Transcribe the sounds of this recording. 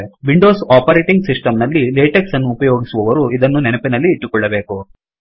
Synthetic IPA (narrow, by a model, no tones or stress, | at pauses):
ʋiɳɖo̞ːsaːpɐɾeːʈiŋɡsisʈɐmnɐlːileːʈeksɐnːuːpɐjoːɡisuʋɐʋɐɾuid̪ɐnːunɛnɐpinɐlːiːʈːukɔɭːɐbe̞ːku